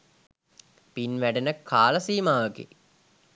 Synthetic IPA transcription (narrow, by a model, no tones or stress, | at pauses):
pinʋæɖenəkʰaːləsiːmaːʋəɡḛ